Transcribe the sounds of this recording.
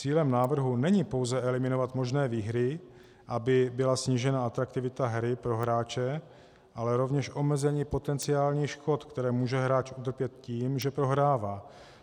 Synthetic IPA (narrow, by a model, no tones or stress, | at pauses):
t͡siːlɛmnaːvr̩ɦunɛɲɪpo̞wzɛʔɛlɪmɪno̞vat̪mo̞ʒnɛːviːɦɾɪ | ʔabɪbɪlasɲiːʒɛnaat̪ɾakt̪ɪvɪt̪aɦɾɪpɾo̞ɦɾaːt͡ʃɛ | ʔalɛɾo̞vɲɛʃʔo̞mɛzɛɲiːpo̞t̪ɛnt͡sɪaːlɲiːxʃko̞t̪kt̪ɛɾɛːmuːʒɛɦɾaːt͡ʃut̪r̩pjɛt̪ciːmʒɛpɾo̞ɦɾaːvaː